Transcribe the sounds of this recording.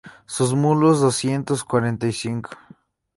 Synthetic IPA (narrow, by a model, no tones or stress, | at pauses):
sus̬mulozðosjent̪oskwaɾent̪ajsiŋkʰo̥